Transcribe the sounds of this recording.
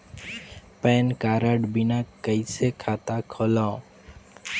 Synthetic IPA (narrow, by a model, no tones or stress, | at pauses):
peːnkaːɾəɖbinakəisekʰaːt̪akʰola